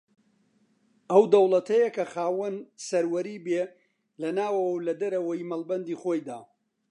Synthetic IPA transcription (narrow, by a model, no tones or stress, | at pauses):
ɐwd̪ɐwlˠɐt̪ʰɐjɐkʰɐxaːwɐnsɐɾwɐɾiːbeː | lɐnaːwɐwɐwlɐd̪ɐɾɐwɐjimɐlˠbɐnd̪iːχoːjd̪aː